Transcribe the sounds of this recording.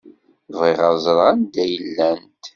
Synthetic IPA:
vʁiʁəzˤɾˤand̪æjəlːænt̪

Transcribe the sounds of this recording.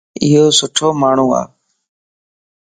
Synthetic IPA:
ɪɦoːsʊʈʰoːmaːɳ̤uːa̰ː

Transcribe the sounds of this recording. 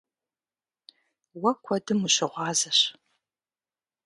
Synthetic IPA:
wɐkʷʰɔdɨmuɕɪʁʷɑːzɐɕ

